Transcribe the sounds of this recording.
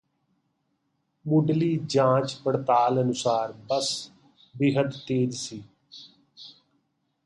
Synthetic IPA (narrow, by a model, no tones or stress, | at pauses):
mʊɖliːd͡ʒãːt͡ʃpəɽt̪aːlənʊsaːɾbəs | bɪɦəd̪t̪eːd͡ʒsiː